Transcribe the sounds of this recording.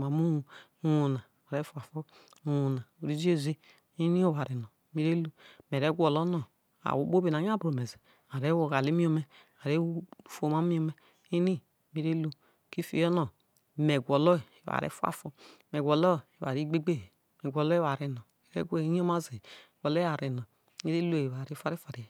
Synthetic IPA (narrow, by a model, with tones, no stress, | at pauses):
ma˨mu˦u˨˦ | wo˨na˨ | a˨ɾe˦fu˦a˨fo˦ | u˨˦wo˨na˨o˨ɾi˦zi˦e˦zi˦ | i˦ni˦o˦wa˨ɾe˨no˨mi˦ɾe˦lu˦m˨e˨ɾe˦ɡʷɔ˨lo˦nɔ˨ | a̰˨wu˨˦bo˦be˨na˨˦ɲ˦a˦bɾo˨me˨ze˨ | a˨ɾe˦wo˨ɣa˨li˨˦mi˦o˨me˨ | a˨ɾe˦˨fo˨ma˦mi˦o˦me˦ | i˦ni˦˨ | mi˦ɾe˦lu˦ | ki˦fḭ˨˦o˦no˨ | me˨ɡʷɔ˨lɔ˦˨i˨wa̰˨ɾḛ˦fu˦a̰˦fo˦me˨ɡʷɔ˨lɔ˦˨wa̰˨ɾi˦ɡ͡be˦ɡ͡be˦˨ | me˨ɡʷɔ˨lɔ˦e˦wa˨ɾe˨nɔ˨ɾḛ˦ɡʷe˦ɲ˦o˦ma˦ze˨ɡ̥ʷɔ˨lɔ˦a˨ɾe˨nɔ˨˦ | i˦ɾe˦lo˦e˨βa˨ɾi˨˦fa˦ɾi˦fa˨ɾi˨˦˨